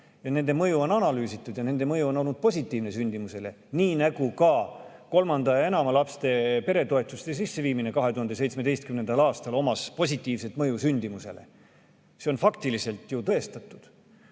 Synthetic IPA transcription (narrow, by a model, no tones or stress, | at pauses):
jɑne̞nd̪e̞mɤjuo̞nɑnɑlyːsit̪ːˑud̪̥jɑne̞nd̪emɤjuo̞no̞lnud̪̚po̞sʲit̪ːˑiːvnesynʲd̪imuse̞le | niːnæɡukɑko̞lmɑnd̪̥ɑje̞nɑmɑlɑpst̪e̞pe̞ɾe̞t̪o̞e̞t̪ːˑust̪es̬isːe̞viːmine̞kɑɦe̞t̪uhɑnd̪es̬e̞jt̪smed̪̥ejst̪kymnend̪̥ɑlɑːst̪ɑlo̞mɑspo̞sʲit̪ːˑiːvse̞t̪mɤjusynʲd̪̥imuse̞̰le̞̰ | se̞o̞nfɑkt̪ilise̞lt̪ˑjut̪ɤ̞e̞st̪ɑt̪ːˑud̪̥